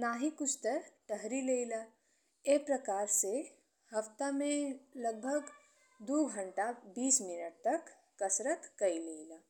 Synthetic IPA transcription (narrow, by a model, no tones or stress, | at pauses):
naɦikut͡ʃʰt̪əɾʈəɦɾilejla | epɾəkaːɾse | həft̪amẽləɡ̚bʱəɡ | d̪uɡʱəɳʈabiːsminəʈ̚t̪əkː | əsɾət̪kəileila